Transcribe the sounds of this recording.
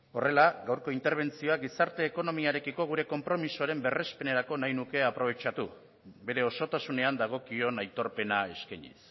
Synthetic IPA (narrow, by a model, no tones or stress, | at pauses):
o̞re̞laɡawɾko̞int̪e̞ɾβ̞e̞nt͡sio̞aɡisaɾt̪e̞ːko̞no̞miaɾe̞kiko̞ɣ̞uɾe̞ko̞mpɾo̞misoaɾe̞mbe̞re̞spe̞ne̞ɾako̞najnuke̞apɾo̞β̞e̞t͡ʃat̪u | βe̞ɾe̞o̞so̞t̪asune̞and̪aɣ̞o̞kio̞najt̪o̞ɾpe̞nae̞skajɲḭs